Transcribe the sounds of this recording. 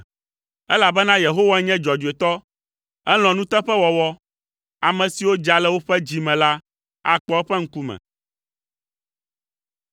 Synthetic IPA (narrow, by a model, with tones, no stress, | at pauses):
ɛ˦la˨bɛ˦nã˦je˨ɦo˦wa˦ɲɛ̃˦d͡ʒɔ˨d͡ʒu˨e˨t̪ɔ˦ | ɛ˦l̃ɔ̃˨nũ˦t̪ɛ˦ɸɛ˦wɔ˨wɔ˦ | a˨mɛ̃˨si˨wo˦d͡ʒa˨lɛ˦wo˦ɸɛ˦d͡ʑi˨mɛ̃˨la˦ | a˨k͡pɔ˦ɛ˦ɸɛ˦ŋ̩˦ku˦mɛ̰̃˨